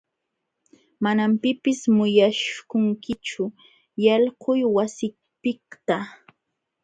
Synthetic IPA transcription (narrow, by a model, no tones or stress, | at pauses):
manampɪpɪsmʊjaʃkʊŋkɪt͡ʃʊ | jɑlqʊjwasɪ | pɪkt̪a